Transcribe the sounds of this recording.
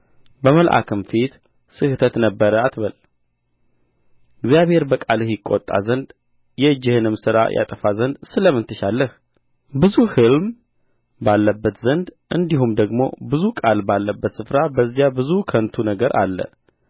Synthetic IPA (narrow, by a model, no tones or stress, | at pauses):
bəməlʔa̰kʰɨmfit̪ | sɨht̪ʰət̪nəbːəɾəat̪βəl | ɨɡzijaβhe̞ɾbəkʼalɨhjɪkʼːo̰t̪ʼːa̰zənd̪ | jɛd͡ʒːɪhɨnɨmsɨɾa̰jʔa̰t̪ʼəfazənd̪sɨləmɨnt̪ʰɨʃalːəh | bɨzuhɨlm | balːəbːət̪zənd̪ʔɨnd̪iɦumd̪əɡmo̞̰bɨzukʼalbalːəbːət̪sɨfɾabəzːijabɨzukʰənt̪ʰunəɡəɾʔa̰lːə̰